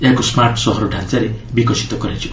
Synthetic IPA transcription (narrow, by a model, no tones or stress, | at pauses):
eɦakosmaɾʈsɔɦɔɾɔɖʱãnt͡saɾebikɔsi̥t̪ɔkɔɾat͡ʃʰi